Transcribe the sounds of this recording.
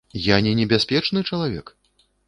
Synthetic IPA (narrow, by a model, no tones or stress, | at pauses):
janʲɛnʲɛbʲasʲpʲɛt͡ʂnɨt͡ʂɐlˠavʲɛ̰k